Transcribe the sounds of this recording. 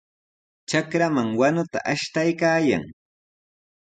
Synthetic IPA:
t͡ʃakɾamaŋwanʊt̪a̰ʔaʃt̪ajkaːja̰ŋ

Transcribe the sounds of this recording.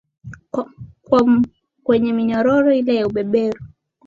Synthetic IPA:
kwa | kwɛɲɛmiɲɔɾɔɾɔilɛjauɓɛɓɛɾu

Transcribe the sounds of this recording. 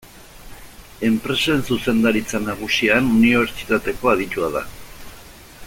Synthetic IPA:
e̞mpɾe̞saensuse̞nd̪aɾit͡sanaɣ̞usianuniβ̞e̞ɾt͡ʃi̥t̪at̪e̞ko̞aðit̪uaða̰

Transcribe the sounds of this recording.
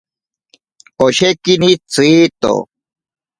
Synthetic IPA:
oɕekinit͡siːt̪o̰

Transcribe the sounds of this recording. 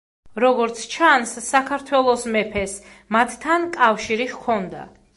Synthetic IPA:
ɾɔɡɔɾt̪sʰt͡ʃʰansːakʰaɾt̪ʰwɛlˠɔsmɛpʰɛs | mat̪ʰt̪ʰːankʼafʃiɾiχkʰɔnd̪a̰

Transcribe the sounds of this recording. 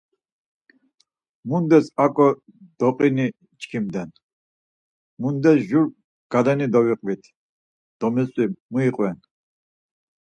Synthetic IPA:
mund̪ɛsakʼɔ | d̪̥ɔqʼini | t͡ʃkʰimd̪ɛn | mund̪ɛsʒuɾ | ɡ̥ad̪ɛnid̪ɔwiqʼvit̪ʰ | d̪̥ɔmɛsʼwimuiqʼwɛn

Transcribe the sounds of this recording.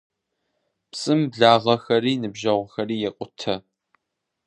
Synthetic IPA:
psʼɨmbɮaːʁɐxɐɾiːnɨbʒɐʁʷʊxɐriːjɛqʷʼʊtʰɐ

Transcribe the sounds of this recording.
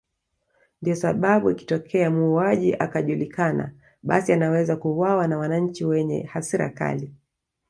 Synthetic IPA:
ndijɔsaɓaɓuiki̥tɔkʰɛamuːaʄiʔakaʄulikʰana̰ | ɓa̰sianawɛzakuwawanawanaɲ̩t͡ʃiwɛɲɛ̰hasiɾa̰ka̰li

